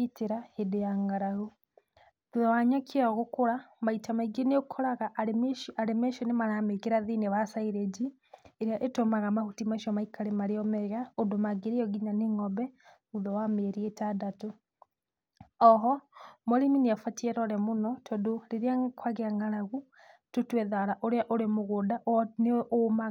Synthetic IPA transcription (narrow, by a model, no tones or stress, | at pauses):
iteɾahedejaŋɡaɾaɣu | uðɔwaɲakʰiaɣokoɾamaitamaiɡenekʰɔɾaɣamaɾemeʃɔnemaɾamekeɾaðineβasaiɾed͡ʒi | eɾiaʔetomaɣamahutimaʃɔmaikalemaɾeɔmɛɣaodomaɡeɾeɔɡiɲaneŋɔbɛ | uðɔwameɾietadato | ɔɦɔmoɾimineafatɛɾɔɾɛmonɔtʰodoleɾiakwaɣeaŋaɾaɣu | totwɛðaɾaʔoɾeaʔoɾemoɣodaʔneʔoma